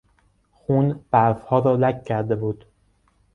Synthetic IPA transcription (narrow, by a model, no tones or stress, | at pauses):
xunbæɾfhɒːɾɒːlæcʰcʰːæɾd̪e̞buːd̪̥